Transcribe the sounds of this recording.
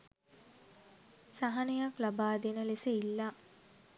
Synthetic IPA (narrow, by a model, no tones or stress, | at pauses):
saɦanəjaklabaːd̪enəleseilːa